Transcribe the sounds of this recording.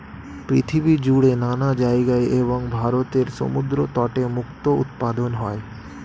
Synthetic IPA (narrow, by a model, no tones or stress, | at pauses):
pɾit̪ʰibid͡ʑuɽenanad͡ʑajeɡaeʔeβoŋbʱaɾot̪eɾʃo̰mud̪ɾot̪ɔʈemukt̪oṵt̪̚pad̪onɦɔe